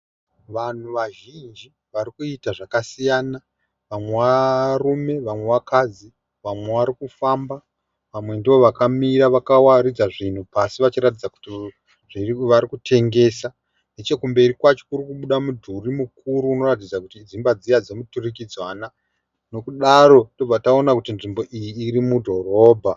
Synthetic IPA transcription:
ʋan̤uʋaʒind͡ʒi | ʋaɾikuitaʐakasijaːna | ʋamwe̞ʋarume̞ʋamwe̞ʋakʰad͡zi | ʋamwe̞ʋaɾikufamba | ʋamwe̞ndiʋo̞ʋakamiɾaʋakawaɾid͡zaʐin̤upasiʋat͡ʃiɾat̬id͡zaku̥ti | ʐiʋaɾikutʰe̞ŋɡe̞sa | net͡ʃe̞kumbe̞rikwat͡ʃo̞kuɾikuɓuɗamudʱurimukuɾuːno̞rat̬id͡zakutid͡zimbad͡zijad͡ze̞muturik̬id͡zwana | no̞kuɗaɾo̞to̞b͡vatao̞nakutinʐimbo̞ʔijiːrimudʱo̞ro̞ːbʱa

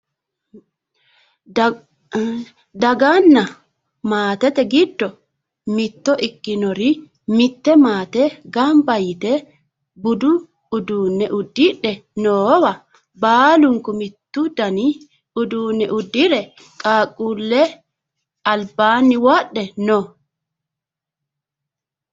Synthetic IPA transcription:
d̪ɐɡanːɐ | maːt̪ɛt̪ɛɡɪd̪ːɔ | mɪt̪ːɔʔɪkːɪnɔɾɪ | mɪt̪ːɛmaːt̪ɛɡɐmbɐjɪt̪ɛ | bʊd̪ʊː | d̪uːnːɛʔʊd̪ːɪɗːɛnoːwɐ | baːlʊŋkʊmɪt̪ːʊd̪ɐnɪ | ʊd̪uːnːɛʔʊd̪ːɪɾɛ | kʼaːkʼːuːlːɛ | ɐlbaːnːɪwaɗːɛno

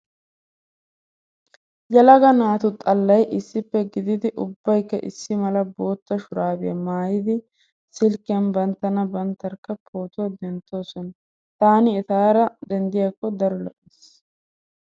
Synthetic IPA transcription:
jɐlɐɡɐnaːt̪ʊt̪ʼɐlːɐjʔɪsːɪpːɛɡɪd̪ɪd̪ɪʔʊbːɐjkːɐ̰ʔɪsːɪmɐlɐbo̞ːt̪ːɐʃʊɾaːbɪjɐmaːjɪd̪ɪ | sɪlkːɪjɐnbɐnt̪ːɐnɐbɐnt̪ːɐɾkːɐpʰo̞ːt̪od̪ɛnt̪ːo̞ːsɔn | t̪aːnɪɛt̪aːɾɐd̪ɛnd̪ɪjɐkːɔd̪ɐɾɔlɔ̰ʔːis

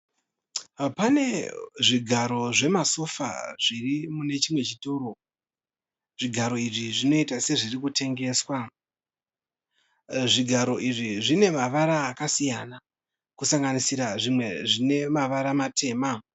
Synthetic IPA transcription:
pane̞ʐiɡʱaɾo̞ʐe̞maso̞fa̰ʐ̥irimune̞t͡ʃimwe̞t͡ʃituro̞ | ʐ̥iɡʱaɾo̞iʐiʐino̞itase̞ʐirikute̞ŋɡe̞ːswa | ʐiɡʱaɾo̞ʔiʐiʐine̞maʋaɾaːkasijana | kusaŋɡanisiɾaʐimwe̞ʐine̞maʋaɾamate̞ːma

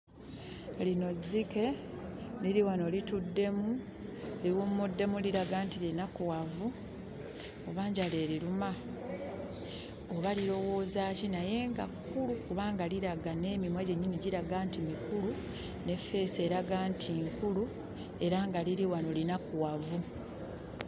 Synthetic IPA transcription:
lino̞zːike̞ | liɾiwano̞litudːe̞mu | liwumudːe̞muliɾaɡaːntilinakuwavu | oβaːɲɟaleːɾiɾuma | oβaliɾo̞wo̞ːzaːcinaje̞ːŋɡa̰kːulukuβaːŋɡaliɾaɡane̞ːmimweːɟe̞ɲːiniɟiɾaɡaːntimikulu | ne̞fe̞ːse̞ːɾaɡaːntʰiːŋkulu | e̞ɾaŋɡaliɾiwano̞linakuwavu

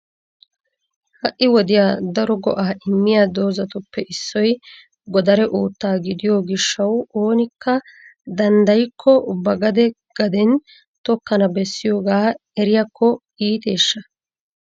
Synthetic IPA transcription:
hɐʔːɪwɔd̪ɪjaːd̪ɐɾɔɡɔʔaːʔɪmːɪjad̪o̞ːzɐt̪ʊpːɛʔɪsːɔj | ɡɔd̪ɐɾɛʔuːt̪ːaːɡɪd̪ɪjoɡɪʃːɐwoːnɪkːɐd̪ɐnd̪ɐjkʰːɔbɐɡɐd̪ɛ | ɡ̥ɐd̪ɛn | t̪ɔkːɐnɐbɛsːɪjoːɡaːɛɾɪjɐkːɔʔiːt̪e̞ːʃːɐ

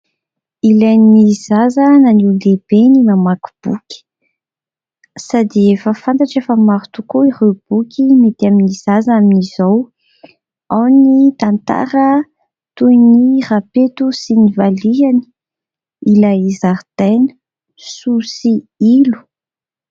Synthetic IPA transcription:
ilajnizazənanileb̥enimamaku̥b̥ukʲi̥ | sad̪iefəfant̪aʈ͡ʂefəmaɾut̪ukoiɾewb̥ukʰʲimet̪iaminiz̥azaminizaw | awnit̪ant̪a̰ɾə | t̪ujnirapet̪usinivaliani̥ | ilajizaɾd̪̥enə̥ | susi | ilu̥

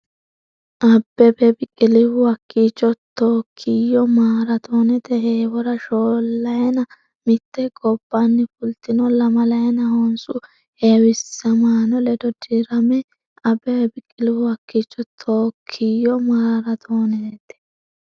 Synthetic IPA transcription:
ʔɐbːɛbɛbɪkʼɪlɪwʊwɐkːiːt͡ʃʼːɔt̪ːoːkʰːɪjːɔmaːɾɐt̪ʰoːnɛt̪ɛheːwɔɾɐʃoːlːɐjɛnɐ | mɪt̪ːɛɡʼɔbːanːɪfʊlt̪ɪnɔlɐmɐlɐjɛnɐhoːnsʼʊ | heːwɪsːɐmaːnɔlɛd̪ɔd̪iɾɐmɛ | ɐbːɛɛbɪkʼːɪlɪwʊwɐkːiːt͡ʃːɔt̪ʰoːkʰːɪjɔmaːɾɐt̪ʰoːneːt̪ɛ̥

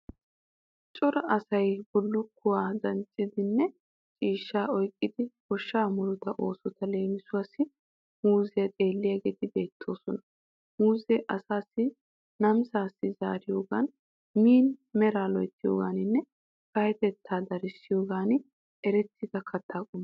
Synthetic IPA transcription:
t͡ʃʼɔɾɐɐsɐjbɔlːɔkʰʊwaːdɐnt͡ʃʼɪd̪ɪnːɛ | t͡ʃʼiːʃːaːɔjkʼːɪd̪ɪkɔʃːaːmʊlʊt̪ɐʔo̞ːsɔt̪ɐle̞ːmɪsʊwaːsɪ | huːzɛjɐt̪ʼe̞ːlːɪjɐɡɛt̪ɪbe̞ːt̪ʰːo̞ːsɔnɐ | muːzɛʔɐsaːsːɪ | nɐmsaːsːɪza̰ːɾɪjoːɡa̰n | miːnmɛɾaːlɔjt̪ːɪjo̰ːɡaːnɪnːɛ | kɐjɛt̪ɛt̪ʰːaːd̪ɐɾɪsːɪjoːɡaːn | ɛɾɛt̪ːɪd̪ɐkʰɐt̪ʰːaːkʼʊmː

